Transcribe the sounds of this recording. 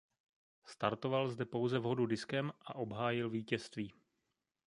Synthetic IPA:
st̪aɾt̪ovalzdɛpo̞wzɛvɦo̞dudɪskɛmʔaʔo̞bɦaːjɪlviːcɛst̪viː

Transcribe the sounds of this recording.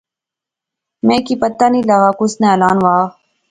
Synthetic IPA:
mẽːkipət̪ːaːniːlaɣaːkʊsneːəlaːnʋaː

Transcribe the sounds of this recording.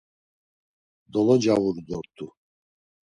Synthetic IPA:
d̪ɔlˠɔd͡ʒavuɾd̪ɔɾt̪ʰːu

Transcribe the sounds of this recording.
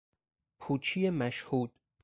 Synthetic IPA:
pʰuːt͡ʃʰijemæʃhuːd̪̥

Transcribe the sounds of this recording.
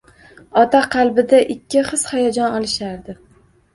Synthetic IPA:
ɒt̪aqʰɑlˠbɪd̪aʔɪkʲʰːɪχɨshajɒd͡ʒɒnɒlˠɪʃaɾd̪ɪ

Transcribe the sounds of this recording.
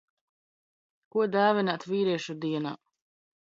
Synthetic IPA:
kuɔd̪aːvinat̪viːɾiɛʃud̪iɛna̰ː

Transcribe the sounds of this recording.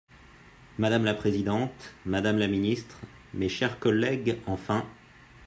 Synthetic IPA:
mad̪amlapχezid̪ɑ̃t̪mad̪amlaminist̪χ | meʃɛʁkɔlɛɡɑ̃fɛ̃

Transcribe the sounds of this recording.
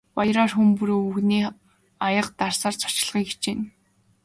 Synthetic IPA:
pɔjɾɔːrxumpuɾoːuxniː | ajə̆qt̪arsaːrt͡sʰɔ̥t͡ɕɪ̆ɮʁiːket͡ɕeːn

